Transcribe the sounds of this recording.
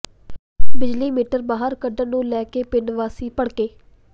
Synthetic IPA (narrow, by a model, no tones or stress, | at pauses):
bɪd͡ʒliːmiːʈəɾbaːɦəɾkəɖənũːlɛːkeːpɪɳʋaːsiːpəɽkeː